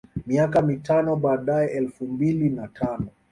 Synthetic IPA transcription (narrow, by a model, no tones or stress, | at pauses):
miakamitanɔɓaːɗaɛʔɛlfumbilinatʰanɔ